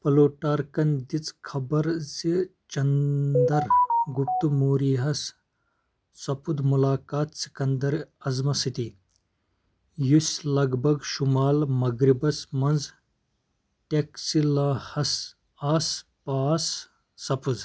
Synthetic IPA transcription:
pɐloːʈaːɾkɐnd̪it͡skʰɐbɐɾzi | t͡ʃɐnd̪ɐɾɡup̚t̪umoːɾiːɦɐs | sɐpud̪mulaːkaːt̪si̥kɐnd̪ɐɾɐzmɐsit̪i | jusʲlɐɡbʱɐɡʃumaːlmɐɡɾibɐsmɐnd͡z | ʈeksilɐhɐs | aːspaːsː | ɐpud̪

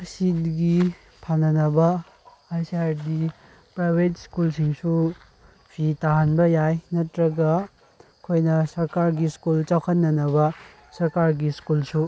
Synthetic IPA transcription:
sit̚ɡi | pʰanɐnɐbɐ | ajsaɾdi | pɾabetskulsiŋsu | pʰitaɦanbɐjajnɐtɾɐɡɐ | kʰojnɐsɐɾkaɾɡiskult͡ʃawkʰɐnːɐnɐβɐ | sɐɾkaɾɡiskulsu

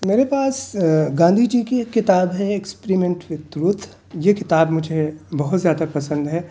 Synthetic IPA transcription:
meːɾepaːsɡãːnd̪ʱid͡ʒiːkekːɪt̪aːbɦɛekspeɾimẽɳʈʋɪt̪ɾʊt̪ʰ | jekɪt̪aːbmʊd͡ʒʱebɐɦʊt̪zjaːd̪apɐsə̃nd̪ɦɛː

